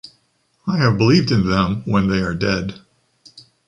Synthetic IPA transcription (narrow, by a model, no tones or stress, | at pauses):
aɪɨvbəlivdɨ̃nðɛ̃mwə̃nðeɪə˞dɛd̥